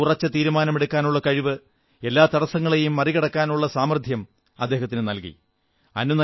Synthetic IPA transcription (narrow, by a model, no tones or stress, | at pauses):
urɐt͡ɕːɐt̪iːɾumaːnɐmeɽukːaːnuɭːɐkɐɻiʋɨ | e̞lːaːt̪ɐɽɐsɐŋːɐɭejumːɐriɣɐɽɐkːaːnuɭːɐsaːmrd̪ʱjɐm | ɐd̪ːe̞ːɦɐt̪ːinɨnɐlkḭ | ɐnːunɐ